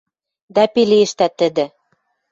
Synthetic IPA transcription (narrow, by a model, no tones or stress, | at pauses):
d̪ɑpilieʃt̪æt̪ːɘ̆d̪ɘ̆